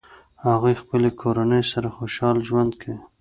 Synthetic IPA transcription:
haɣujxpəlekʰoɾanəjsaɾaxoʃɑlʒwand̪kʰa

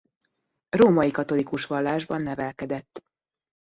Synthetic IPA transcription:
roːmɒikɒt̪o̞likuʃʋɒlːaːʒbɒnːɛvɛlkɛd̪ɛt̪ː

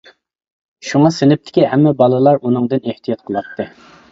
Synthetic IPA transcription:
ʃuŋɑsɪnɪp̚t̪ʰɪ̥kʲiɦɛmːɛbɑlˠɨlˠɑɾunɨŋd̪ɨneht̪ʰijɑt̪̚qʰəlˠɑt̪ʰːɨ

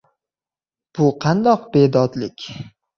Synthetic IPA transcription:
b̥ʊqʰɑnd̪ɒqbe̞d̪ɒd̪lɪkʲ

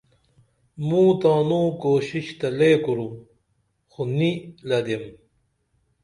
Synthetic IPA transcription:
mũːt̪aːnũːkoːɕiɕt̪ɐleːkuɾu | xonilɐd̪em

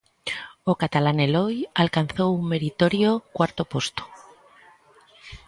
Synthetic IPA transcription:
okat̪alanelo̞jalkan̟θo̞umme̞ɾit̪o̞ɾjokwaɾt̪o̞po̞st̪o̥

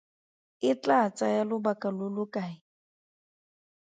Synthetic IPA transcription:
ɪt͡ɬat͡sʼajalʊbakʼalʊlʊkʼaɪ

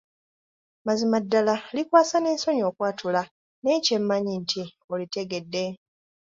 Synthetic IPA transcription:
mazimadːalalikwaːsane̞ːnso̞ɲo̞ːkwaːtʰula | ne̞ːce̞mːaɲintʰi | olite̞ɡe̞dːe̞

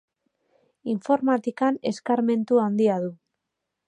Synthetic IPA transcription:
iɱfo̞ɾmat̪ikane̞skaɾme̞nt̪uand̪iaðu

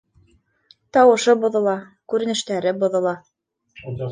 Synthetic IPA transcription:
t̪ɑwɤ̆ʃɤbŏðŏlˠɑ | kʉɾɘ̆nɘ̆ʃt̪æɾɘbŏðɤ̆lˠɑ

